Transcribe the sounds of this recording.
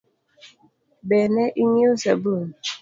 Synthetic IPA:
bɛnɛʔiɲosəbun

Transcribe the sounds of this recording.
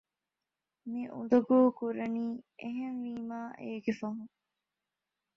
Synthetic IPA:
miʔṵd̪ɐɡuːkuɾɐniːeɦenʋiːmaːʔeːɡefɐɦũŋ

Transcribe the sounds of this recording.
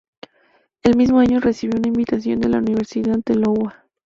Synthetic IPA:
e̞lmizmo̞aɲo̞re̞siβjounaimbit̪asjo̞nd̪e̞launiβe̞ɾsiðaðelo̞wa

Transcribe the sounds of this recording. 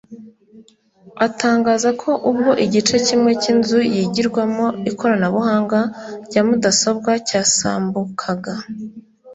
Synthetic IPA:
ataːŋɡaːzakʰo̞ʔub̚ɡo̞ʔiɟit͡ʃe̞cimŋe̞cinzujiːɟiɾɡwamo̞ikʰo̞ɾanaβuhaːŋɡaɾɟ̥amudasob̚ɡwacaːsa̰ːmbukʰaɡa

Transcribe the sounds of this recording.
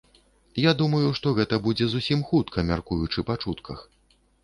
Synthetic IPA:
jad̪umɐjuʂt̪ɔɣɛt̪ɐbud͡zʲɛzusʲimxut̪kʰɐmʲarkujut͡ʂɨpat͡ʂut̪kʰɐx

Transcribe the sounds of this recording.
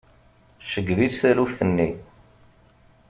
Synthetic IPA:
ʃəɡviðθælufθənːi

